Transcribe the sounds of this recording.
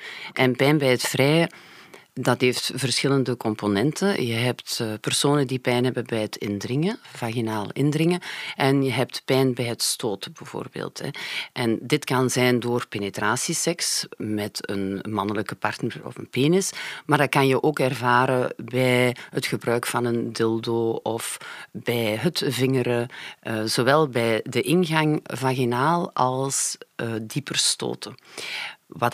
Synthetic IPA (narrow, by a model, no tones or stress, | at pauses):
ʔɛnpɛjnbɛjətfrɛj | dɑtɦeːftv̥ərsxɪləndəkɔmponɛntʰənjəɦɛptpərsoːnədipɛjnɦɛbəbɛjətʰɪ̰ndrɪŋəv̥aːɣinaːl̰ɪndrɪŋəʔɛnjəɦɛp̚tpɛjnbɛjɦətstoːtəbəv̥o̰ːrbḛːlˠtɛ̰ʔɛndɪtkɑnzɛndoːrpeːnetraːsisɛksmɛtə̰nmɑnələkəpɑrtnərɔ̰fə̰npeːnɪsmaːrdɑt̚kɑnjəʔoːkɛrvaːɾəbɛjɦətxəbrœːkfɑnəndɪlˠdoːɔfb̥ɛjɦətvɪŋəɾə | z̥oːwɛlˠbɛjdəʔɪnɣɑŋvaːɣinaːlˠɑlˠsdipərsto̰ːtə | wɑt